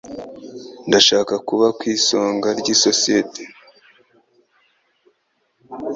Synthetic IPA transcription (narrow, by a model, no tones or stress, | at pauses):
ndaʃaːkakuβakwiːso̞ːŋɡaɾɟiso̞siete̥